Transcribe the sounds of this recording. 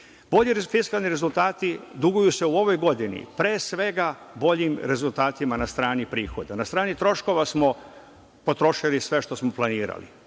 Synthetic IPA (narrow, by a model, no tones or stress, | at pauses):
b̥o̞ʎiɾfiskalˠniɾe̞zulˠt̪aːt̪id̪uɡujuse̞uo̞ʋo̞jɡo̞d̪inḭpɾeːsʋe̞ɡa | bo̞ʎimɾe̞zult̪aːt̪imanast̪ɾaːnipɾiːxo̞d̪anast̪ɾaːnit̪ɾo̞ʃko̞ʋasmo̞ | po̞t̪ɾo̞ʃilisʋe̞ʃt̪o̞smo̞plˠaniːɾa̰lḭ